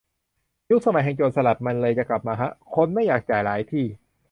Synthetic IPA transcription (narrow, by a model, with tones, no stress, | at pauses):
ju˦˥k̚sa˧ma˨˦jɦɛ˨˧˩ŋt͡ɕoː˨˩n̚sa˧la˨˩p̪̚ma˧nlɤː˧jt͡ɕa˨˩kla˨˩p̚maː˧kʰa˦˥ʔkʰo˧nma˥˩jaː˨˩k̚t͡ɕaː˨˩jlaː˩˦jt̪ʰiː˥˩